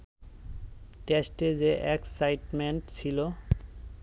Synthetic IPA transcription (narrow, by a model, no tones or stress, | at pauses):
ʈesʈed͡ʑeʔɛksajʈmeɳʈt͡ɕʰilo